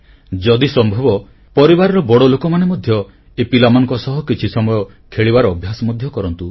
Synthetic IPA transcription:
d͡ʒɔd̪isɔmbʱɔbɔ | pɔɾibaɾɔɾɔbɔɽɔlokɔmanemɔd̪ʱjɔ | epilamɔnɔ̃ŋkɔsɔɦɔkit͡ʃʰisɔmɔjɔ | kʰeɭibaɾɔːbʱjasɔmɔd̪ʱjɔkɔɾɔnt̪u

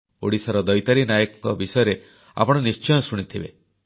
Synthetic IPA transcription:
o̰ɽisaɾɔd̪ɔjt̪aɾinajɔkɔŋkɔbisɔjɔɾe | a̰pɔɽ̃ɔnist͡ʃɔjɔsuɽ̃it̪ʰibe

